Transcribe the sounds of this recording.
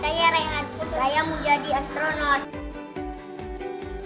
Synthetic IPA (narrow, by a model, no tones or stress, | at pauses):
sajaɾajaat̚put̪sajamuɲd͡ʒadiast̪ɾonawt̪̚